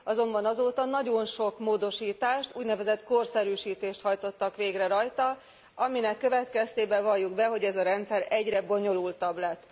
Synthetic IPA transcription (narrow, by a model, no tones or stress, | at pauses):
ɒzo̞mbɒnɒzoːt̪ɒnɒɟo̞nʃo̞kmoːd̪o̞ʃiːt̪aːʃt̪uːɟnɛvɛzɛt̪ko̞rsɛɾyːʃiːt̪eːʃt̪hɒjt̪o̞t̪ːɒkʋeːɡrɛɾɒjt̪ɒ | ɒminɛkːøvɛt̪kɛst̪eːbɛvɒjːuɡbɛɦo̞ɟɛzɒɾɛnt̪sɛɾɛɟrɛbo̞ɲo̞lult̪ɒblɛt̪ː